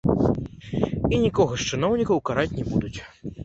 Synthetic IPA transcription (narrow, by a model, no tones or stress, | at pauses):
inʲikɔɣɐʂt͡ʂɨnɔwnʲikɐwkaɾat͡sʲnʲɛbud̪ut͡sʲ